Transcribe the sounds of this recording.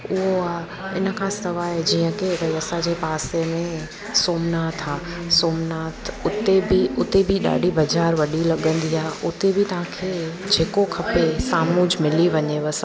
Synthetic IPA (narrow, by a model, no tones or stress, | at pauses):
ʊɦoa | ɪnə̆kʰãst̪ɐʋaɦed͡ʑiːə̃keʋɐiɐsad͡ʑepaːsemẽ | soːmnaːt̪ʰaː | soːmnaːt̪ʰʊt̪ebiʊt̪ebʱiɗa̰ːɖʱibɐd͡ʑaːɾʋɐɗilɐɠə̃nd̪iaɦʊt̪ebɪt̪ɐʋ̤ãkʰeː | d͡ʑʱeːkokʰɐpesaːmʊd͡ʑmɪliʋɐɲeʋɐs